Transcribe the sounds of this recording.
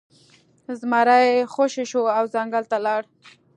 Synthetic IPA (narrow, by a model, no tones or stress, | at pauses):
zmaɾajexoʃeʃoawzaŋɡalt̪alɑɽ